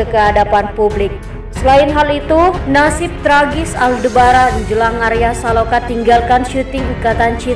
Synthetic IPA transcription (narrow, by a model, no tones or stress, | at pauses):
əkəadapanpublɪk̚ | səlaɪnɦalit̪unasɪp̚t̪ɾaɡɪsaldəbaɾadd͡ʒəlaŋaɾiasalokat̪iŋɡalkanʃut̪ɪŋukat̪ant͡ʃi